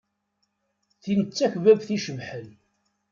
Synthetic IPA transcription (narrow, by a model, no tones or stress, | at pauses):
θinət͡sːæçvævθiʃəvħəl